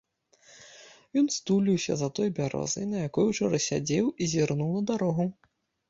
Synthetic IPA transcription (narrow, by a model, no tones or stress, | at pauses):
jɔnst̪ulʲiwsʲɐ̰zɐt̪ɔjbʲaɾɔ̰zɐjnɐjakɔjut͡ʂɔɾɐsʲad͡zʲewizʲirnuwnɐd̪aɾɔɣu